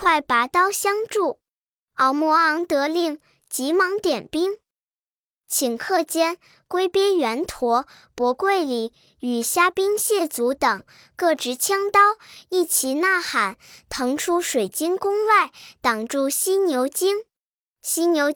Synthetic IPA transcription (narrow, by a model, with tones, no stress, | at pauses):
kʰwa˥˩ɪpa˧˥t̪ɑ˥ʊɕjɑ˥ŋʈ͡ʂu˥˩ | ɑ˧˩ʊmwɔ˧˥ɑ˧˥ŋt̪ɤ˧˥li˥˩ŋ | t͡ɕi˧˥mɑ˧˥ŋt̪jɛ˨˩npi˥ŋ | t͡ɕʰi˨˩ŋkʰɤ˥˧t͡ɕjɛ˥n | kwe˥ɪpjɛ˥ɥɛ˧˥nt̪ʰwɔ˧˥ | pwɔ˧˥kwe˥˩ɪli˨˩˦ | y˨˩ɕja˥pi˥ŋɕjɛ˥˩t͡su˧˥t̪ɤ˨˩ŋ | kɤ˥˧ʈ͡ʂɻ̩˧˥t͡ɕʰjɑ˥ŋt̪ɑ˥ʊi˥˩t͡ɕʰi˧˥na˥˩xa˨˩˦nt̪ʰɤ˧˥ŋʈ͡ʂʰu˥ʂwe˨˩ɪt͡ɕi˥nkʊ˥ŋwa˥˩ɪt̪ɑ˨˩ŋʈ͡ʂu˥˧ɕi˥njo˧˥ʊt͡ɕi˥ŋ | ɕi˥njo˧˥ʊ